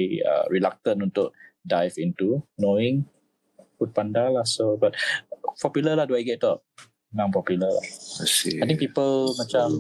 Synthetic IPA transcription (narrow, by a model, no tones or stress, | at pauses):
ə̰ɹilak̚t̪ə̃nunt̪ʊʔ̚dajfint̪unoɪŋ | kut̪̚pandalahsobat̪̚pɔpjuləlahduajɡɛt̪ɔp̚ | nãŋpɔpjuləla̰hsiat̪ĩŋpipəlmat͡ʃam